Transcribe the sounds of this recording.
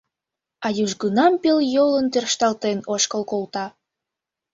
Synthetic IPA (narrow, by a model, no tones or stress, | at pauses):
ɑjuʒɣənɑmpeljolənt̪ørʃt̪ɑlt̪enoʃkəlkolt̪ɑ